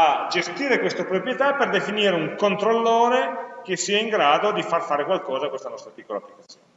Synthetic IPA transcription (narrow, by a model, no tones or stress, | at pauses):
ad͡ʒest̪iːɾekwest̪opɾopɾjet̪apːerd̪efiniːɾeuŋkont̪ɾolːoːɾek̟esːiːaiŋɡɾaːd̪od̪ifarfaːɾekwalkɔːzakwest̪anɔst̪ɾapikːola̰pːlikat̪sːjoːnːne